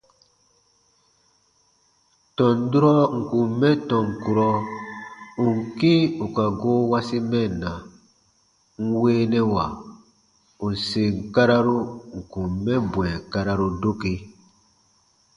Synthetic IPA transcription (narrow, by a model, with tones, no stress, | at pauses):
tɔ̃˨n˦du˦ɾɔ˦ŋ̩˨ku˨mːɛ˦tɔ̃˨ŋ˨ku˨ɾɔ˦ | u˨ŋ̩˨ki˦u˨ka˨ɡo˦wa˦si˦mɛ˦˨na˨ | ŋ̩˦weː˦nɛ˦wa˨ | u˨se˨ŋ̩˨ka˦ɾa˦ɾu˦ŋ̩˨ku˨mːɛ̃˦bw̃ɛ˨ka˦ɾa˦ɾu˦do˦ke˨